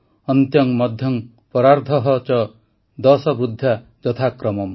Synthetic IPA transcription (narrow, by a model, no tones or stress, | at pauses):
ɔnt̪jɔŋmɔd̪ʱjɔŋ | pɔɾaɾd̪ʰʱɔɦɔt͡ʃɔ | d̪ɔsɔbɾud̪ʱːja | d͡ʒɔt̪ʰakɾɔmɔm